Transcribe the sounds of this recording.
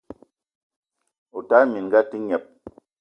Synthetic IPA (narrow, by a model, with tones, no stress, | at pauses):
u˨ta˦mi˨n˨ɡa˦ti˦ɲɛ˨p̚